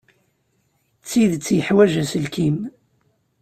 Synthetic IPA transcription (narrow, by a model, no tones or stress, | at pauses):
t͡sːiðt͡sːjəħwæʒæsəlkim